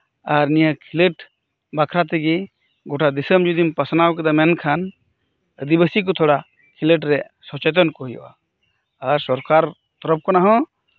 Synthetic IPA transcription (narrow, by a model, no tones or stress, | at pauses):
aɾnijəkʰiləʈ | bakʰɾat̪ɛɡi | ɡɔʈʰad̪isəmd͡ʒud̪impasnawk̬ɛd̪amɛnkʰan | əd̪ibəsik̬ɔt̪ʰɔɽa | kʰiləʈɾɛ | sɔt͡ʃɛt̪̬ɔnkɔɦijɔ̰ʔa̰ː | ɾsɔɾkaɾ | t̪ɔɾɔp̚kɔnaɦɔ̃